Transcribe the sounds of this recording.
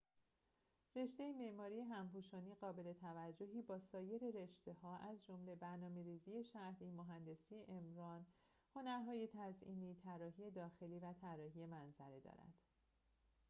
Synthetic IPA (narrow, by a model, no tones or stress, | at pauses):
re̞ʃt̪e̞jemeʔmɒːɾijeɦæmpuːʃɒːniːɣɒːbe̞le̞t̪ʰævæd͡ʒːoɦiːbɒːsɒːje̞ɾe̞ɾe̞ʃt̪e̞hɒːʔæzd͡ʒo̞mle̞bæɾnɒːme̞ɾiːziːje̞ʃæhɾiːmoɦænd̪e̞sieʔemɾɒːn | ho̞næɾɦɒːje̞t̪ʰæzʔḭːniːt̪ʰæɾɒːɦiːje̞d̪ɒːxe̞liːvæt̪ʰæɾɒːɦije̞mænzæɾed̪ɒ̰ːɾæ̰d̪̥